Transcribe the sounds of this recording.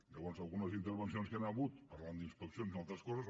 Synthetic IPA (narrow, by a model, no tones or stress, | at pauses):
ʎəβɔnzalˠɣunəzint̪əɾβənsionskenaβut̪pəɾland̪inspəksionsimalˠt̪ɾəskɔzəz